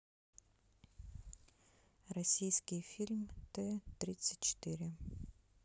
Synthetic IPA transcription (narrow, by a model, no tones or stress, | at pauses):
rɐsʲijskʲɪjfʲilʲmt̪ɛt̪ɾʲit̪sɨ̥t̚ʲt͡ɕɪ̥t̪ɨɾʲɪ